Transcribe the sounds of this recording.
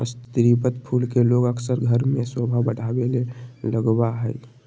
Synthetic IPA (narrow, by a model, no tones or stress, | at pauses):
əst̪ɾipət̪pʰuːlkeloɡəkʰsəɾɡʱəɾmẽswəbʱabəɽʱaːweleləɡwaɦəi